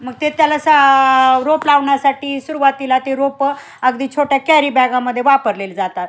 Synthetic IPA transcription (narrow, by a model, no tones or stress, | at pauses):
məɡ̚t̪et̪jalasaɾoplaʋɳjasaʈiːsuɾuʋat̪ilat̪eɾop | əɡd̪iːt͡ɕʰoʈjakɛɾiːbɛɡãməd̪ʱːjeʋapəɾleld͡zat̪at̪